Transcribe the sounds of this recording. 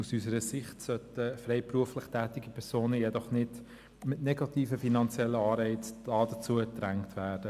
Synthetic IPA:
usysəɾəsɪχtsœtəfrɛɪpruəflɪχtʰæːtiɡipʰɛɾsoːnəjɛdɔχnɪd | mɪtnɛɡɑtiːfəfinɑnt͡sjɛlːəɑːɾɛɪt͡sd̥ɑːdət͡suəd̥ɾæŋtʋæːɾd̥ə

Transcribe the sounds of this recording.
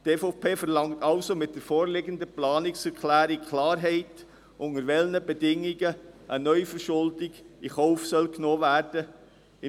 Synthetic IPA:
teːfopʰeːfəɾlɑŋtɑlsomɪt̚d̥əɾfoːɾlɪɡəndəplɑːnɪksɛɾkʰlæːɾikʰlɑːɾɦɛɪt | ʔʊŋəɾʋɛlnəbɛdɪŋiɡəʔənœʏfəɾʃʊldiɡiχɔʊfsœlknoːvæːɾd̥ə | ɪ

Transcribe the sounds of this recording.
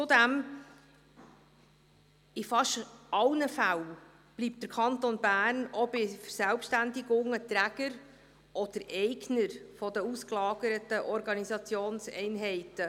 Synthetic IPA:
t͡sʊd̪æm | ɪfɑʃɑlnəfæl | b̥liːp̚t̚dəɾkʰɑnt̪onbæːrnɔb̥ɪfəɾsælpʃtændɪɡʊŋət̪ɾæɡ̥əɾ | ʔɔd̥əɾɛɪɡnəɾfɔd̪əusklɑːɡ̥əɾət̪əʔɔɾɡɑnisɑt͡sjoːnsɛ̰ɪnɦɛɪtə

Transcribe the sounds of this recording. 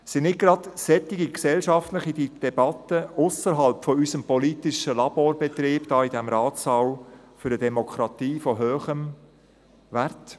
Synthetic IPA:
sɪnnɪɡɾɑdsɛt̪iɡiksɛlʃɑftlɪχidid̥ɛbɑt̪əʊsəɾɦɑlpfɔysəmpɔlit̪ɪʃəlɑboːɾbɛt̪ɾiːbd̥ɑːidæmɾɑːt̪sɑw | fʏɾdədɛmɔkʰɾɑt̪iːfɔɦøːχəm | vært

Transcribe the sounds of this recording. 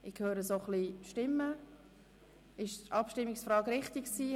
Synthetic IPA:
ʔɪkʰhøːɾəsoχliʃtɪmːə | ɪʃtʔɑpʃtɪmːiksfɾɑːɡɾɪχtɪksiː

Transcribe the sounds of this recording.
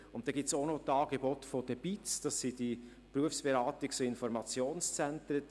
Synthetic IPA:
ʊnt̚d̥ɛɡɪtt͡sonotɑːɡ̥ebɔtfod̥əb̥itsd̥ɑsːidi | pɾuəfsb̥eɾaːtiksoɪnfɔɾmɑt͡sjoːnst͡sɛntɾə

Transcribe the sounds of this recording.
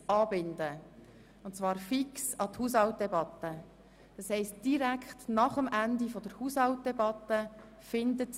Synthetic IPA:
ɑːbɪndə | ʊntt͡svɑːɾfiksɑt̪huːs̬hɑlt̚d̥ɛbɑt̪ːə | d̥ɑshɛɪst̚d̥iɾækχtnɑχəmʔændifɔd̥əɾhuːshɑlwt̚dɛbɑt̪ːə | fɪndət

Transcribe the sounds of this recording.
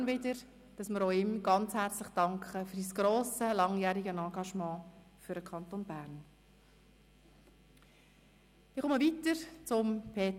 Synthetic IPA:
nvɪdəɾ | d̥ɑsməɾoʊɪmɡ̥ɑnt͡shæːɾt͡slɪχd̥ɑŋkχəføɾisɡ̥ɾoːsəlɑŋjæːɾiɡənɑ̃ːɡɑʃmɑ̃ː | fyɾəkʰɑntoːnbæːɾn | ɪχʊməvitəɾt͡sʊmpʰeːt

